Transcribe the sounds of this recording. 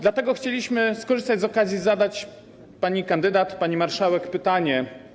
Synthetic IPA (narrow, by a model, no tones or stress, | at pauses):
d̪lat̪ɛɡɔxt͡ɕelʲiɕmɘskɔʐɘst̪ad͡ʑʲzɔkazʲjizad̪at͡ɕ | paɲikand̪ɘd̪at̪paɲimaɾʂawɛkpɘt̪aɲɛ